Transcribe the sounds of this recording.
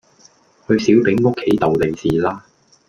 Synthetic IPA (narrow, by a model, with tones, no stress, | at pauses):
hɵ˧ɥsi˨˥wpɪ˨˥ŋʊ˥kʰːe˨˥jt̪ɐ˨wle˨jsiː˨laː˥